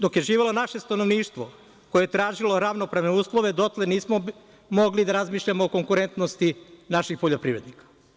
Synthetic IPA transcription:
d̪o̞kje̞ʒiːʋelo̞naʃe̞st̪ano̞ʋniːʃt̪ʋo | ko̞jeet̪ɾaːʒilo̞ɾaʋnopɾaʋneuːslˠoʋe̞d̪o̞t̪leniːsmo | mo̞ɡlid̪aɾazmiːʃʎamoːko̞ŋkuɾe̞nt̪nost̪inaʃixpo̞ʎo̞pɾḭːʋɾe̞d̪nikḁ

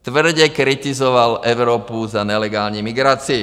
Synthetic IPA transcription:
t̪ʋr̩ɟɛkɾit̪izɔʋalɛʊɾɔːpuzaɲɛlɛɡaːlɲɛmiɡɾaːt͡sii

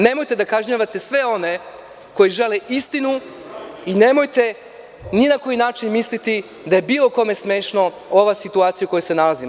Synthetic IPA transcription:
ne̞mo̞jt̪e̞d̪akaʒɲaʋat̪e̞sʋe̞o̞ne | ko̞jiʒe̞leʔist̪inu | ine̞mo̞jt̪e̞ | ninako̞jinaːt͡ʃinmislit̪i | d̪aje̞biːlˠo̞ko̞me̞sme̞ːʃno̞ | o̞ʋasit̪uaːt̪sijuko̞jese̞nalazimo

